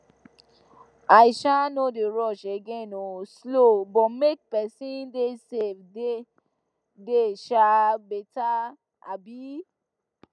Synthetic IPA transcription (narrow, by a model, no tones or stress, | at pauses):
aiʃanodeɾɔʃeɡẽnoslobɔmek̚pɛsĩndesefde | deʃabeta | a̰bi